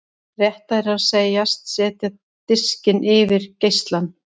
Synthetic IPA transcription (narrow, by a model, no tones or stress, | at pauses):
rjɛht̪aɛɾaðseːjast̪sɛːt̪ja | t̪ɪscɪnʔɪvɪɾ̥cejst̪lan